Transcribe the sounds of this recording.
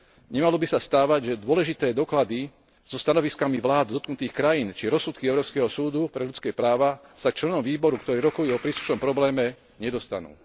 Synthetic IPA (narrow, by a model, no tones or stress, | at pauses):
ɲɛmalɔbisast̪aːʋaɟʒɛd̪ʊɔlɛʒit̪ɛːd̪ɔklad̪i | z̥ɔst̪anɔʋiskamiʋlaːd̪d̪ɔt̪̚knut̪iːxkɾajiːnt͡ʃiɾɔsːut̪kiɛʊɾɔːskɛɦɔsuːd̪upɾɛʎut͡skɛːpɾaːʋasakt͡ʃlɛnɔmʋiːbɔɾukt̪ɔɾiːɾɔkɔjuːɔpɾiːslu̥ʃnɔmpɾɔblɛːmɛ | ɲɛd̪ɔst̪a̰nṵː